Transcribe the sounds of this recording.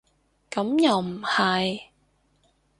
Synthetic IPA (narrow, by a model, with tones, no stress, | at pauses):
kɐ˨˥mjɐ˨wm̩˨˩hɐ˨j